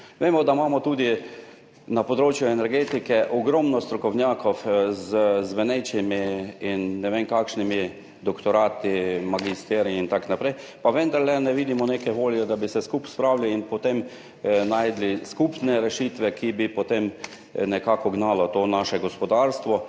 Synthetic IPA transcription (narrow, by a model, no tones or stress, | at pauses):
ʋeːmɔd̪amaːmɔt̪uːd̪i | napɔd̪ɾoːt͡ʃjuɛnɛɾɡeːt̪ikɛʔɔɡɾɔmnɔst̪ɾɔkɔwnʲjaːkʰɔfzəzʋɛnɛjt͡ʃimiːnːɛʋenkaːkʃnimi | d̪ɔkt̪ɔɾaːt̪imaɡist̪ɛːɾiint̪aknapɾɛj | paʋənd̪aɾlɛnɛʋiːd̪imɔneːkɛʋoːljɛd̪abisɛskupspɾawliːnpɔt̪em | najd̪liskupnɛɾɛʃit̪ʋɛkʰibipɔt̪em | nɛkaːkɔɡnaːlɔt̪oːnaːʃɛɡɔspɔd̪aɾst̪ʋɔ